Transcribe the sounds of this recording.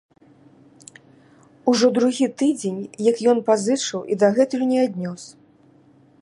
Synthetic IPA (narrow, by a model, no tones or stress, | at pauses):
uʐɔd̪ɾuɣʲit̪ɨd͡zʲenʲjɐkjɔnpazɨt͡ʂɨwid̪aɣɛt̪ujunʲɛad̪ʲnʲɔs